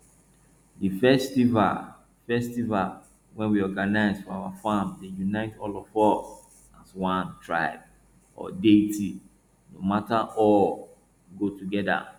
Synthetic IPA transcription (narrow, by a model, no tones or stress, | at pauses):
difɛstiva̰l | fɛstival | wɛ̃nwiɔɡanaɪzfɔawafãmdejunaɪtʰɔlɔvɔs | aswãntʰɹaɪb̚ | ʔɔ̰detʰi | nomataʔɔ | ɡotuɡɛda̰